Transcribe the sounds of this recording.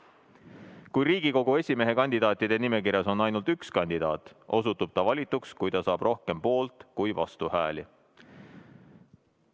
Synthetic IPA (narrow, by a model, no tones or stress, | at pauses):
kujɾiːɡ̥iko̞ɡ̥ue̞sʲime̞ɦekɑnʲd̪id̪̥ɑːt̪ːˑid̪̥e̞nime̞kiɾjɑso̞nːɑjnult̪ykskɑnʲd̪̥id̪̥ɑːt̪o̞s̬ut̪ːub̥̚t̪ɑvɑlʲit̪ːukskujt̪ɑsɑːb̥ro̞hke̞mpo̞ːlt̪ˑkujvɑst̪uhæːli